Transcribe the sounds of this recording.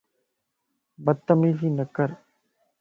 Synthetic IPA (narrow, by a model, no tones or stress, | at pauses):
bət̪ːəmiːsiːnəkːəɾ